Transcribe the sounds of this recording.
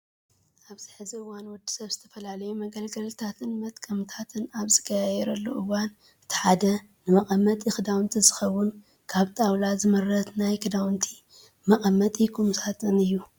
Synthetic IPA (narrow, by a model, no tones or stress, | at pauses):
ʔaβzɨħɨziɨwanwʊd̪ːi̥sɐβzɨt̪ʰɐfɐlalɐjumɐɡɐlɡɐlt̪ʰat̪ʰɨnmɐt̪ʼkʼɐmt̪ʰat̪ʰɨnaβzɨɡajajɛɾɐlːo̰ʔɨwan | ɨt̪ʰi̥ħad̪ɐ | nɨmɐkʼɐmːɐt̪ʼɨxɨd̪awnt̪ʰizɨxɐwːʊn | kʰaβt̪ʼawlazɨmɨɾːɐt̪najkʰɨd̪awnt̪ʰi | mɐkʼɐmːɐt̪ʼikʰumsʰat̪ʰɨnɨjːu